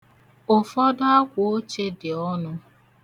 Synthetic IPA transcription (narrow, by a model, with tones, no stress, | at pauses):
ʊ˨fɔ˦da˦a˦kʷo˨o˦t͡ʃe˦dɪ˨ɔ˦nʊ˦